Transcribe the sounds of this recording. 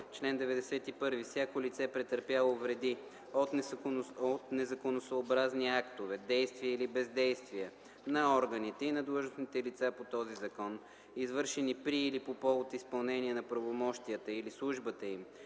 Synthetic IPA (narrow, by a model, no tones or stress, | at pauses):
t͡ʃlɛnd̪ɛvɛd̪ɛsɛt̪ipɤɾvifsʲjakolit̪sɛpɾɛt̪əɾpʲjalˠovɾɛd̪i | ot̪ | ot̪nɛzɐkonosoːbɾazniakt̪ovɛd̪ɛjst̪viəilibɛzd̪ɛjst̪viə | nɐɔɾɡənit̪ɛinɐd̪lˠuʒnosnit̪ɛlit̪sapot̪ɔzizɐkɔn | izvɤɾʃɛnipɾiːlipopɔvot̪ispɐlˠnɛniənɐpɾɐvomɔʃt̪ijət̪əilislˠuʒbət̪əim